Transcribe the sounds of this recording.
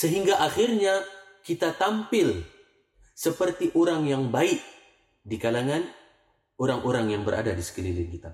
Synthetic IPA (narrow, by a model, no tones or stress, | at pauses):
səɦiŋɡaʔaxirɲa | kit̪at̪ampɪl | səpərt̪iʔoɾaŋjaŋbaɪk̚ | dikalaŋan | oɾaŋʔoɾaŋjaŋbəɾʔa̰dadisə̥kəlilɪnkit̪a